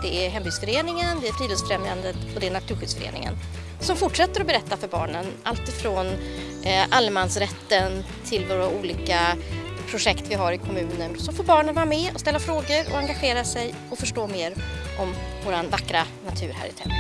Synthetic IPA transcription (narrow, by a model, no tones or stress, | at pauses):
d̪̥ɛæɾɦɛmbyːd̪sfœɾeːnɪŋənd̪ɛæɾfɾiːd̪ɪlsfɾɛmjand̪ət̪ɔd̪ɛæɳat̪ʰʉ̟ɾɧʏld̪sfœɾḛːnɪ̰ŋə̰n | sɔmfʊʈʂɛt̪ːəɾɔbɛɾɛt̪ːafœɾbɑ̰ːɳənalt̪ɪfɾoːn | ʔalːmansɾɛt̪ːənt̪ʰɪlvoːɾauːliːkapʰɾʊʂɛkt̪vɪɦaɾɪkʰɔmʉ̟ːnənsɔfoːɾbɑːɳənvɑːɾamɛːɔst̪ɛlːafɾoːɡəɾɔ̰aŋɡaɧeːɾasɛj | ɔfœʂʈoːmeːɾʔɔmvoːɾanvakːɾanat̪ʰʉ̟ːɾɦæ̰ːɾɪt̪ʰɛ̰m